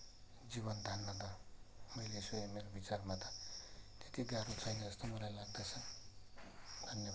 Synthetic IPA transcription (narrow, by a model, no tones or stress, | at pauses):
d͡zibʌnd̪ʱanːʌd̪amʌjlesujemeɾobit͡sarmat̪ʌ̥t̪et̪iɡaɾut͡sʰʌjnʌd͡zʌst̪omʌlajlaɡ̚d̪at͡sʰʌ | d̪ʱʌnːje